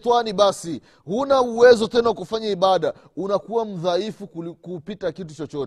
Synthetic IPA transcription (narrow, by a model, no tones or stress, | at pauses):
twaniɓasi | hunauwɛzɔtɛnawakufaɲaiɓaɗa | unakuwam̩ðaifukupitakitut͡ʃɔt͡ʃɔt